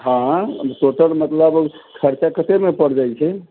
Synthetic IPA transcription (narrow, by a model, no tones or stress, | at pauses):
ɦãsoʈəɾmət̪ləbkʰəɾt͡ʃakət̪emepəɽd͡ʒajt͡ʃʰɛ